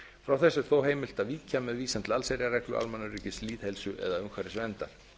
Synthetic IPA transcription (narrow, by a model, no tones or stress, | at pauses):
fɾawθɛsːɪɾ̥θowɦeːjmɪl̥t̪aðviːcʰamɛðviːsɛnt̪lalsejɾjaɾɛjklʏ̰a̰lmanːʏriːcɪsliːð̥hɛlsʏʔɛ̰ðaʏmkʰvaɾɪsvɛnt̪aɾ̥